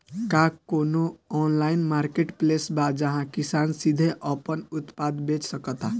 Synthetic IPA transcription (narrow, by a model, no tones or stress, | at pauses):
kakonoɔnlainmaɾkeʈplesbad͡ʒəɦãkisansid̪ʱeʔəpənut̪pad̪bet͡ʃsəkət̪a